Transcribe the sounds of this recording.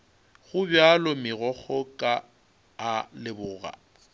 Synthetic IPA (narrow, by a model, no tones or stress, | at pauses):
ɣʊbjalɔmɪɣɔk͡xʰɔkʼa | alɪbʊːɣa̰